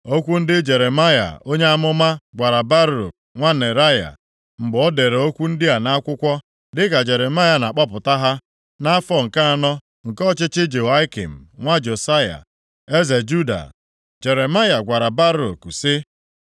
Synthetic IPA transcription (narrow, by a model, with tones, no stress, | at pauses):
o˦kʷu˦n̩˦dɪ˦d͡ʒe˨ɾe˨ma˦ja̰˨o˦ɲe˦a˦mʊ˦ma˦ɡʷa˨ɾa˨ba˦ɾo̰˨k̚ŋʷa˦ne˨ɾa˦ja̰˨ | m̩˨ɡ͡bɔ˨ɔ˦de˨ɾe˨o˦kʷu˦n̩˦dɪ˦a˨na˦a˦kʷʊ˦kʷɔ˦ | dɪ˦ka˨d͡ʒe˨ɾe˨ma˦ja˨na˨k͡pɔ˦pʊ˨ta˦ɦa˦ | na˦a˦fɔ˦˨ŋ̩˨ka˦a˨nɔ˦ | ŋ̩˨kɔ˦˨t͡ʃɪ˦t͡ʃɪ˦d͡ʒe˨a˦ɪ˦kḭ˨m̩˨ŋʷa˦d͡ʒo˨sa˦ja̰˨ | e˦ze˨d͡ʒu˦da̰˨ | d͡ʒe˨ɾe˨ma˦ja˨ɡʷa˨ɾa˨ba˦ɾo̰˨ksɪ˦